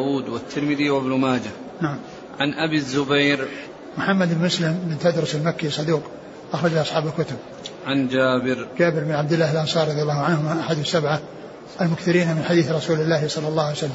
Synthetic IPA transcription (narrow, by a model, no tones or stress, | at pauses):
wuːd̪wat̪ʰːɪɾmɪðiwabnʊmaːd͡ʒa | naʕam | ʕanʔabizːʊbajɾ | mʊħamːad̪bnmʊslɪmbɪnt̪ad̪ɾˤʊsalmakːisˤːɑd̪uːq | ʔɑxɾˤɑd͡ʒaʔɑsˤħɑːbalkʊt̪ʊb̚ | ʕand͡ʒaːbɪɾd͡ʒaːbɪɾbɪnʕab̚d̪ɪlːaːhalʔɑnsˤɑːɾːɑðˤjalːɑːʊʕanhʊmaʔaħad̪ʊsːabʕa | ʔalmʊkθɪɾiːnamɪnħad̪iːθɾˤɑsuːlɪlːaːhsˤɑlːɑlˤːɑːhajsalːam